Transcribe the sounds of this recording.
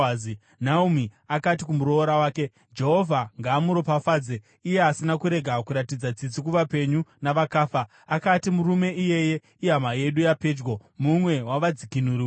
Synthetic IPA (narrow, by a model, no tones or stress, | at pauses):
i | naumi | akat̬ikumuɾo̞ːɾawaːke̞ | d͡ʒe̞ɦo̞vʱaŋɡaːmuɾo̞pafaːd͡ze | ije̞asinakuɾe̞ɡʱakuɾatid͡zad͡zid͡zikuʋape̞ɲunaʋakaːfaː | katimuɾume̞ʔije̞je̞ | iamaje̞ɗujaped͡ʒɡwomumwe̞waʋad͡zikinuɾi